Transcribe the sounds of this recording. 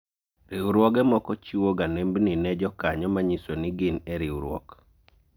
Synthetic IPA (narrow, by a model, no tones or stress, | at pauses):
ɾɪwɾwɔɡɛmɔkɔt͡ʃiwoɡanembninɛd͡ʒɔkaɲɔmaɲisonɪɡɪnɛɾɪwɾwɔ̰k